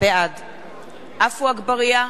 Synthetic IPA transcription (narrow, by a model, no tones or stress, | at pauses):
ead̪ | ʔafuaɡbaʁija